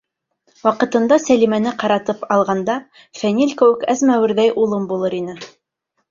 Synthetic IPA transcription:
wɑqɤ̆t̪ɤ̆nd̪ɑsælimænɘqɑɾɑt̪ɤpɑlˠʁɑnd̪ɑ | fænilʲkɘ̆wɘkæzmæwɘ̆ɾðæjʔulˠɤmbulˠɤɾinɘ

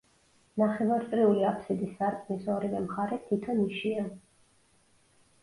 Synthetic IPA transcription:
naχɛvaɾt̪sʼɾiuliapʰsid̪isːaɾkʼnisɔɾivɛmχaɾɛt̪ʰit̪ʰɔniʃia

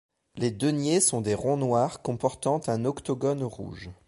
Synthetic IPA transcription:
led̪ənjesɔ̃d̪eʁɔ̃nwaʁkɔ̃pɔʁt̪ɑ̃t̪ɛ̃nɔkt̪ɔɡɔnʁṵːʒ

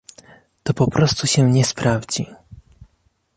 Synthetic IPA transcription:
t̪ɔpɔpɾʔɔst̪uɕɛɲɛspɾʔavd͡ʑi

